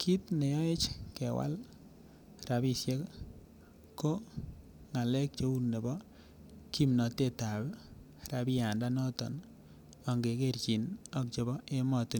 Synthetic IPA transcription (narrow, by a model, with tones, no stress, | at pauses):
kʰi˦tne˨jɔ˦e˦t͡ʃke˨wa̰˦l | ra˨bi˦sje˦k | ko˦ | ŋa˨lɛ˦k̚t͡ʃo˦u˦lne˨bɔ˦ | ki˦mnɔ˨te˦ta˨b | ɾa˨bi˦a˨nda˦nɔ˦tɔ̰˨n | ɔ˨ŋɡe˨ke˦rt͡ʃi˨nɔ˦k̚t͡ʃe˨bɔ˦e˦mɔ˨tu˨n